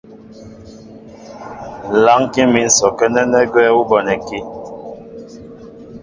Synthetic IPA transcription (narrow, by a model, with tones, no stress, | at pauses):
la˦ŋki˦mi˨n̩˦sɔ˨kɛ˦nɛ˦nɛ˦ɡwɛː˦wu˦bɔ˨nɛ˨ki˦